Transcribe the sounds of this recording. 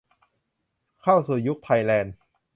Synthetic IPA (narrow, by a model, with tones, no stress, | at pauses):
kʰa˥˩wsuː˨˩ju˦˥k̚t̪ʰa˧jlɛː˧n